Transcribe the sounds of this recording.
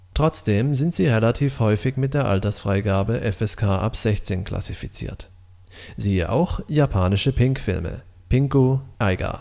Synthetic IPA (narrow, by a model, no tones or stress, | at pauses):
tʁ̥ɔt͡sd̥eːmzɪntz̥iːʁelatʰiːfhɔʏfɪçmɪt̚d̥eːɐʔaltɐsfʁ̥aɪɡaːbəʔɛfɛskʰaːʔapz̥ɛçt͡seːnkʰla̰sifit͡sḭːɐt | ziːəʔa̰ʊxjapʰaːnɪʃəpʰɪŋkfɪ̰lmə̰ | pɪŋkoʔaɪɡa̰